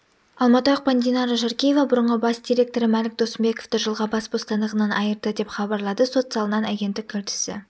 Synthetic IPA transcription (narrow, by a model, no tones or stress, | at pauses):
ɑlˠmɑt̪əəq̚pand̪ijnɑɾəʒɑɾkʲijevɑbʊɾəɴʁəbɑsd̪ʲiɾʲe̞k̚t̪o̞ɾɪmælɪk̚d̪o̞səmbe̞ko̞ft̪ɪʒəlˠʁɑbɑsbo̞st̪ɑnd̪əʁənɑnʔɑjəɾd̪əd̪e̞pχɑbɑɾlˠɑd̪əso̞t̪sɑlˠənɑnæɡʲe̞nt̪ːɪk̚ʲʰːɵɾt̪ɪ̥sɪ̰